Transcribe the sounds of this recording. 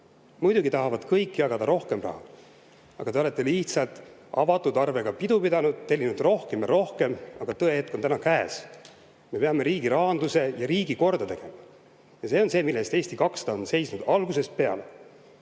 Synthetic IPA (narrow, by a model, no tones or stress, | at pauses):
mujd̪̥uɡit̪ɑɦɑvɑd̪̥kɤjkːijɑɡɑd̪̥ɑɾo̞hke̞mrɑ̰hɑ | ɑ̰ɡ̥ɑt̪eolet̪ːe̞liht̪sɑlt̪ˑɑvɑt̪ːˑud̪ɑrve̞ɡ̥ɑpid̪upid̪ɑnud̪̥̚t̪e̞lʲːinud̪̥ro̞hke̞mjɑɾo̞hke̞mɑɡ̥ɑt̪ɤe̞he̞t̪ko̞nt̪ænɑkæːs | me̞pe̞ɑme̞ɾiːɡ̥iɾɑːnd̪use̞jɑɾiːɡiko̞rd̪̥ɑt̪e̞ɡ̥emɑ | jɑse̞ːo̞nse̞ːmilːest̪e̞ːst̪ikɑkst̪ɑonse̞jsnud̪̥ɑlɡuse̞spe̞ɑ̰le̞